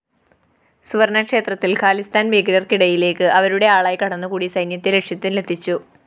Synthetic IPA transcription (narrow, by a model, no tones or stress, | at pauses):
suʋɐrnɐkʂe̞ːt̪rɐt̪ːilkʰaːlist̪aːnbeːɡɐɾɐrkiɽɐjile̞ːkːɨʔɐʋɐɾuɽe̞aːɭaːjkɐɽɐnːɨkuːɽisɐjnjɐt̪ːele̞kʂjɐt̪ːinle̞t̪ʰːit͡ɕːu